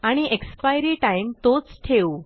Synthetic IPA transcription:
aɽ̃iʔekspajɾiʈaimt̪ot͡sʈʰew

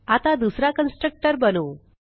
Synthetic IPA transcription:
at̪ad̪usɾakənsʈɾək̚ʈəɾbənuː

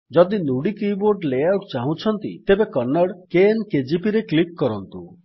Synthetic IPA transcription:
d͡ʒɔd̪inuɽikiboɾɖlejawʈt͡ʃaɦũt͡ʃʰɔnt̪ḭt̪ebekɔɾnɔɽkenked͡ʒipiɾeklik̚kɔɾɔnt̪ṵ

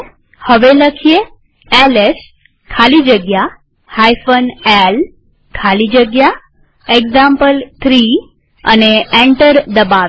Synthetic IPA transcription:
həʋeləkʰije | ɛles | kʰalid͡ʒəɡja | hajfənel | kʰalid͡ʒəɡja | eɡzãmpəlt̪ʰɾi | ə̰neẽɳʈəɾd̪əbaʋe

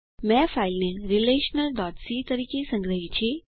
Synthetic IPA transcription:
mɛfajlneɾileɕənəld̪ɔtsit̪əɾiːkʰisə̃ŋɡɾəɦit͡ɕe

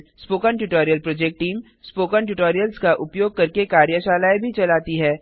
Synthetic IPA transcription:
spoːkəɳʈʊʈoːɾijəlpɾoːd͡ʒeːk̚ʈːiːm | spoːkənʈʊʈoːɾijəlskaʔʊpjoːɡ̚kɐɾkekaːɾjəʃaːlaːebʱit͡ʃɐlaːt̪iɦɛː

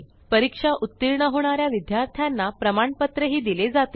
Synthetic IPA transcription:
pəɾikʂaʔut̪ːiɾɳəɦoɳ̃aɾjaʋid̪jaɾt̪ʰjanːapɾəmaɳpət̪ɾəɦiːd̪iled͡zat̪e

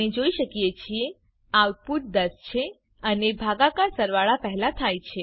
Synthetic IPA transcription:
ed͡ʒoiʃəkijet͡ʃʰie | awt̪̚puʈ̪̚d̪əst͡ʃʰe | ənebʱaɡakasəɾʋaɭapəɦlat̪ʰajt͡ʃʰe

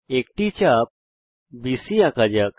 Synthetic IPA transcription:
ek̚ʈit͡ɕap̚ | bisiakad͡ʑjak

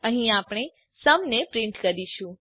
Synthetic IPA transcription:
ə̃ɦĩapɽ̃e | səmnepɾiɳʈkəɾiʃũ

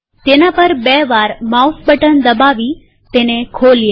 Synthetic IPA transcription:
t̪enapəɾbɛʋaɾmausbəʈənd̪əbaʋi | t̪enekʰolj

